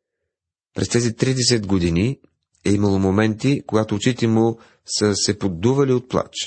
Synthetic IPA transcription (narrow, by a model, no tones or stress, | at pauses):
pɾʔɛst̪ɛzit̪ɾid̪ɛs̬ɛd̪ɡod̪ini | ɛimɐlˠomomɛnt̪ikoɡat̪oːt͡ʃit̪ɛmu | səsɛpod̪ːuvɐliot̪̚plˠa̰t͡ʃ